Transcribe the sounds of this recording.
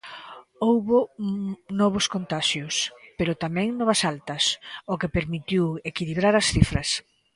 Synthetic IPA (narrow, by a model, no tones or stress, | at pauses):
owβʊ | nɔβ̞ʊskont̪aʃjʊspeɾʊt̪amɛ̃ŋnɔβɐsalt̪ɐsokepeɾmit̪iwekiliβɾaɾɐsθifɾɐs